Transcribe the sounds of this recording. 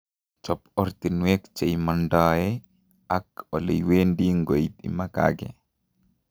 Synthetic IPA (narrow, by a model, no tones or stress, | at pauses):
t͡ʃɔpɔɾt̪inwekt͡ʃejmandajɛ | akɔlejwendiŋɡoit̪ḭmaka̰ɡɛ̰